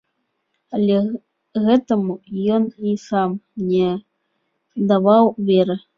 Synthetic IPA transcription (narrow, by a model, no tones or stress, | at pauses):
alʲɛ | ɣɛt̪ɐmujɔnisamnʲɛ | d̪avawvʲɛɾɨ